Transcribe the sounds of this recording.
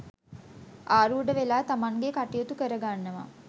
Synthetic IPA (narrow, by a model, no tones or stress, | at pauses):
ʔaːɾuːɖəʋelaːt̪amaŋɡekaʈijot̪ukəɾəɡanːəʋa̰